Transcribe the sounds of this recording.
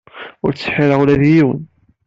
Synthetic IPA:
ʊɾt͡sːħiɾəʁulæðjiwə̰n

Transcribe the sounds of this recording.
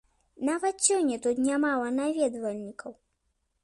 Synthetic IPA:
navɐt̪t͡sʲːɔnʲɛt̪ut̪nʲamalˠɐnavʲɛd̪vɐlʲnʲikʰɐw

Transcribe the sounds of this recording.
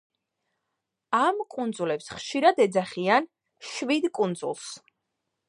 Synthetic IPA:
amkʼund̪zulɛpsχʃiɾad̪ɛd̪zaχian | ʃvid̪kʼund̪zṵlˠs

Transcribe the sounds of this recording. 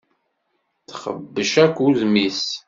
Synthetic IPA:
θχə̰bːəʃækʷːuzmis

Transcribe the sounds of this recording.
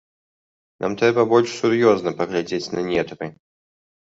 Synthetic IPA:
nʔa̰mt̪ɾɛbɐbɔlʲʂsuɾjɔznɐpɐɣlʲad͡zʲet͡sʲnɐnʲɛt̪ɾɨ

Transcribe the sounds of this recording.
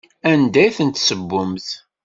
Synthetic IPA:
ænd̪æjθənt̪səbːʊmθ

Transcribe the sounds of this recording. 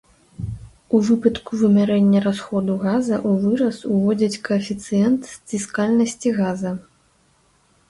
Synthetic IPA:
uvɨpɐt̪kuvɨmʲaɾɛnʲːɐɾasxɔd̪uɣazɐʔuvɨɾɐsuvɔd͡zʲɐt͡sʲkɐːfʲit̪sɨjɛnt̪st͡sʲiskalʲnɐsʲt͡sʲiɣazɐ

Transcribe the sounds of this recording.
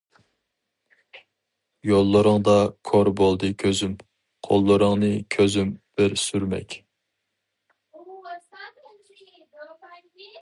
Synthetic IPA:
jolˠːɨɾɨŋd̪ɑkʰoɾbolˠd̪ɨkʲʰøzym | qʰo̰lˠːɨɾɨŋnɨkʲʰøzymb̥ɪɾsyɾmɛ̰kʲ

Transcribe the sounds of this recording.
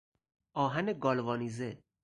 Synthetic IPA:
ɒːɦæneɡɒːlvɒːnize

